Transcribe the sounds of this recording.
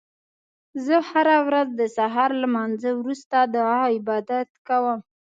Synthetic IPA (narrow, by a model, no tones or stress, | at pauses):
zəhaɾawɾazd̪əsaɦɑɾlamɑnzəwɾust̪ad̪əaɪbɑd̪at̪kawəm